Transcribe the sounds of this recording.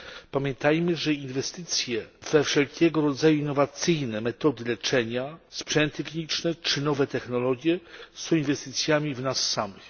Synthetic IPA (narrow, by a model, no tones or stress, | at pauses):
pamʲjɛnt̪ajmɘʐɛinvɛst̪ɘt̪sʲjɛvɛfʂɛlkʲɛɡɔɾɔd̪zajuinːɔvat̪sɘjnɛmɛt̪ɔd̪ɘlɛt͡ʂɛɲaspʂɛnt̪ɨfʲiɲit͡ʂnɛt͡ʂɘnɔvɛt̪ɛxnɔlɔɡʲjɛsɔ̃w̃invɛst̪ɘt̪sʲjamʲivnasːamɘx